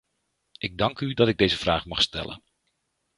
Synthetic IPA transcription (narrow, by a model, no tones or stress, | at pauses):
ʔɪɡ̚dɑŋkydɑtɪɡ̚dejzəv̥raːχmɑχstɛ̰lə̰n